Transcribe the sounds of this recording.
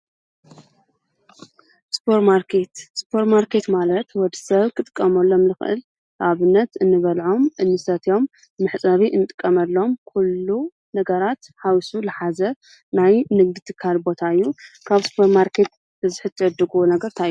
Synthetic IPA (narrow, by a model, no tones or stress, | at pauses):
sɨ̥pʰoɾmaɾkʰe̞t̪sɨ̥pʰoɾmaɾkʰe̞t̪malɐt̪wɔd̪ɨ̥sɐβkʰɨt̪ʼɨkʼːɐmɐlːo̞mlɨxʔɨ̰l | ʔaβɨnːɐt̪ɨnːɨβɐlʕo̞mʔɨnːɨsɐt̪ʰjo̞mː | ɨħt͡sʼɐβiʔɨnɨt̪ʼɨ̥kʼːɐmɐlːo̞mkʰulːu | nɐɡɐɾat̪ħawisulɨħazɐ | najnɨɡ̚d̪it̪ʰɨkʰːalbo̞t̪ʰaɨjːukʰaβsɨ̥pʰɐɾmaɾkʰe̞t̪̚ | b̥ɨzɨħɨt̪ʰːɨʕɨd̪ːɨɡuonɐɡɐɾt̪ʰaʔjːu